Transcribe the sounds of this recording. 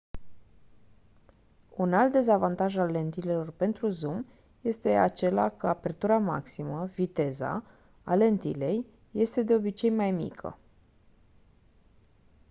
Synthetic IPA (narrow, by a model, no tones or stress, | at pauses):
unalt̪̚d̪e̞zavant̪aʒalːe̞nt̪ile̞lo̞rpe̞nt̪ɾuzum | je̞st̪e̞at͡ʃe̞la̰kʰəape̞rt̪uɾama̰ksiməvit̪e̞za̰ | a̰le̞nt̪ḭle̞jː | e̞st̪e̞d̪e̞o̞bit͡ʃe̞jmajmḭkʰə̰